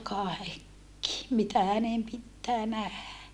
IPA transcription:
kɑˑekːi mitæ hænem pitːæː næhæ

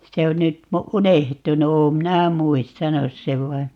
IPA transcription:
se on nyt unehtunu oːm minæ muistɑnus seʋ ʋɑi

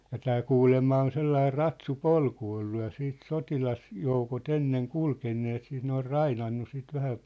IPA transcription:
jɑ tæː kuːlemːɑ on selːɑir̆ rɑtsupolku olːu jɑ siːt sotilɑsjoukot enːeŋ kulkenːeːt siːt ne or rɑinɑnːu sit ʋæhæ

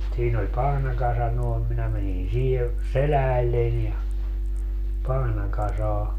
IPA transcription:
siːn olʲ pɑhnɑkɑsɑ noˑem minæ mænin siːhe selæːlːenʲ jɑ pɑhnɑkɑsɑː

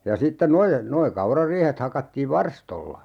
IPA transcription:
jɑ sitːe noje noi kɑurɑriːhet hɑkɑtːiːʋ ʋɑrstolːɑ

